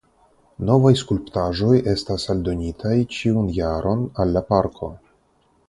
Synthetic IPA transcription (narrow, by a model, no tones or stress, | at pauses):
no̞vajskulptaʒo̞je̞stasaldo̞nitʰajt͡ʃiunjaɾʔo̞nalːapaɾkʰo̞̰